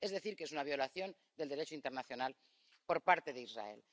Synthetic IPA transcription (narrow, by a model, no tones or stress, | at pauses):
ezðe̞θiɾkesunaβ̞jo̞laθjo̞n | d̪e̞ld̪eɾet͡ʃoint̪e̞ɾnaθjo̞nal | po̞ɾpaɾt̪e̞ðeizra̰ḛl